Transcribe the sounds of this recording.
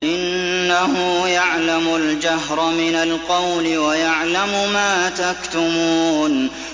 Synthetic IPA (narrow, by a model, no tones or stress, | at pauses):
ʔɪnː | ahʊjaʕlamʊld͡ʒaɦɾˤmɪnalqɑwlɪwajaʕlamʊmaːt̪akt̪ʊmuːn